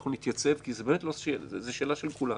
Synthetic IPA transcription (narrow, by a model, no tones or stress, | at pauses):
χnunit̪jat͡se̞vkizebeːmetloezeʃe̞ːlaʃelkula